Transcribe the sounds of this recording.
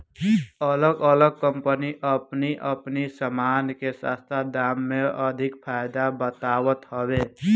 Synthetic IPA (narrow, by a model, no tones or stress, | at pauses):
ələɡələɡ̚kːə̃mpəniʔəpniʔəpnisəmaːnkesa̰st̪ʰad̪aːmːẽəd̪ʱɪkpʰaːjd̪abət̪aːwət̪həwe